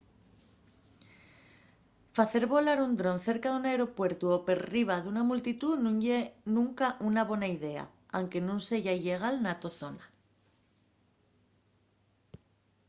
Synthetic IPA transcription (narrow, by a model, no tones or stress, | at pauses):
faθe̞ɾβo̞laɾund̪ɾo̞nθe̞ɾkaðunaeɾo̞pwe̞ɾt̪uope̞ɾriβ̞aðunamult̪it̪unũnenũŋkaʔunaβwe̞naiðe̞a̰ | awŋke̞nũnse̞ʝaiʎe̞ɣ̞alnat̪oθo̞na